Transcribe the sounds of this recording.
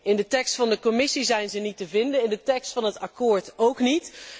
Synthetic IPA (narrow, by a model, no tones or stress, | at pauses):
ɪndətɛkstfɑndəkomɪsizɛjnzənitəvɪndənɪndətɛkstfɑnɦətɑkʊːɹtowknit